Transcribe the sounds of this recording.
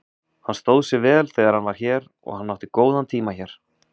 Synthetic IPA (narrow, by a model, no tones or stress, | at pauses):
hanːst̪owðsɪvɛːlθeːjɣaɾ̥hanvaɾ̥çɛːɾ | ɔ̰ɣhanːawht̪ɪkoːwðant̪ʰiːmaçɛɾ̥